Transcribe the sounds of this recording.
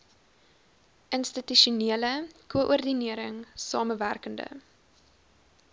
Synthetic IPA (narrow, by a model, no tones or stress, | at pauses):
ʔənstityʃuniələkuəʔurdiniəɾəŋsɑ̰ːməværkəndə̰